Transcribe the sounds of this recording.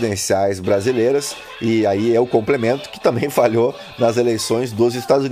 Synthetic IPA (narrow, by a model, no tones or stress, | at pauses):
d̪ẽsiajzbɾazilejɾɐs | ɪaiɛʊkõmplemẽnt̪ʊ̥kɪ̥t̪ɐ̃mbẽj̃faʎo | nɐzelejsõj̃zd̪ʊzɪst̪ad̪ʊzu